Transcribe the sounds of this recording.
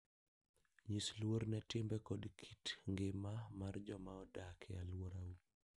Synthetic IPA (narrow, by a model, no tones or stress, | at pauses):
ɲislwoɾnɛtɪmbɛkɔdkʰitŋɡɪmamard͡ʒɔmaɔdakʰɛa̰lwoɾau